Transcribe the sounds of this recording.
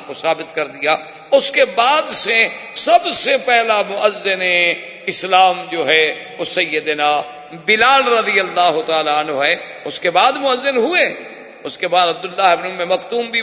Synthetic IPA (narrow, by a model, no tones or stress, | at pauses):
kosaːbɪt̪kɐɾd̪ɪjaː | ʊskebaːd̪sesɐbsepɛɦlamʊʔəzːɪne | ɪslaːmd͡ʒoːɦɛː | osɐjːəd̪enaː | bɪlaːlɾəd̪ijəlːaːɦʊt̪aːlaɐnɦoɦɛː | ʊskebaːd̪mʊəzːənɦʊe | ʊskebaːd̪ɐb̚d̪ʊlːaːɦɪbnʊmːemɐkt̪uːmbʱi